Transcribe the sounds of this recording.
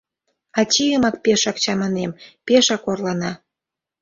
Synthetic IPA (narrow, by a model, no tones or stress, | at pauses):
ɑt͡ɕijəmɑk̚peʃɑk̚t͡ɕɑmɑnempeʃɑkorlɑnɑ